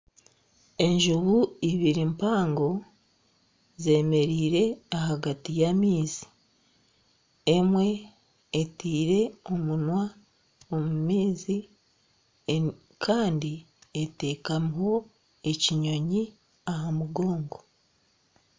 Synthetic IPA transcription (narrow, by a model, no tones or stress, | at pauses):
e̞ɲʒuβuiβiɾimpaːŋɡo̞ | ze̞ːme̞ɾiːɾe̞aɦaɡatijamiːzi̥ | e̞mwe̞ː | tiːɾe̞o̞munwa | omumiːzi | kʰaːndi | ete̞ːkamuɦo̞ | e̞ciɲo̞ɲi | ahamuɡo̞ːŋɡo̞